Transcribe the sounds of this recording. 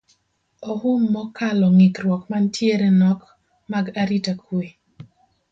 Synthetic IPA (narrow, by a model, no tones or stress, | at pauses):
ɔhumːɔkalɔŋɪkɾwɔkmantʰjeɾenɔk | maɡaɾitakʰwe